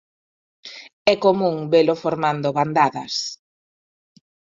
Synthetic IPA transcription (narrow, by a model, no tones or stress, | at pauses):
ɛkomũŋbelofoɾmand̪oβand̪aðɐs